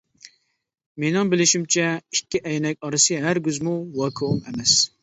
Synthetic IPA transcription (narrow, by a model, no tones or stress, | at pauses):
menɪŋbɪlɪʃimt͡ʃʰɛikʲːiʔɛjnɛk̚ʲɑɾɨsɨɦæɾɡʲyzmuwɑːkʰɨumɛmɛs